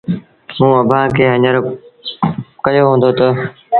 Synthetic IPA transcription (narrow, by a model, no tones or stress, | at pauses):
mũːəbʱãːkeːɦəɲəɾ | kəjoːɦõːn̆d̪oːt̪ə